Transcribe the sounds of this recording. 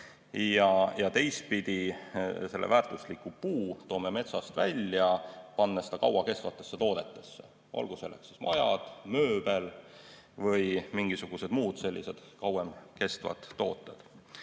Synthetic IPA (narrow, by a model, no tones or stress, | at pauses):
jɑjɑt̪e̞js̚pid̪̥ise̞lːevæːɾrt̪ˑuslikupuːt̪o̞ːmeme̞t̪sɑst̪vælʲːjɑpɑnːɑsi̥d̪̥ɑkɑwɑke̞st̪vɑt̪ːˑe̞sːet̪o̞ːd̪e̞t̪ːˑe̞sːe̞̰ | ʔɑ̰lɡ̥uselːḛksismɑjɑ̰d̪̥mø̞ːbe̞l | vɤjmiŋɡ̥isuɡ̥use̞d̪muːd̪̥se̞lʲːise̞d̪̥kɑwemke̞st̪vɑ̰t̪ːo̞̰ːt̪ˑːed̪̥